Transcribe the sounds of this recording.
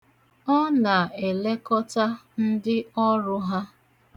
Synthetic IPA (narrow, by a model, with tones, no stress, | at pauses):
ɔ˦na˨e˨le˦kɔ˦ta˦n̩˦dɪ˦ɔ˦ɾʊ˦ɦa˦